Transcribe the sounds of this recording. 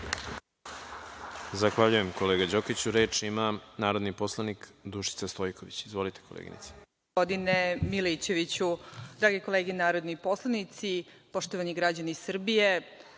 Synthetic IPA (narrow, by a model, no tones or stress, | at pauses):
zaxʋaʎujemkoleːɡad͡ʑokit͡ɕuɾe̞ːt͡ʃimanaːɾo̞d̪nipo̞slˠanikd̪uʃi̥t̪sast̪o̞jkoʋit͡ɕizʋo̞lit̪e̥ko̞lḛɡḭnḭt̪si̥ | od̪inemilit͡ɕe̞ʋit͡ɕud̪ɾaːɡeko̞leːɡenaːɾo̞d̪nipo̞slˠanit̪sipo̞ʃt̪oʋaniɡɾad͡ʑanisr̩bije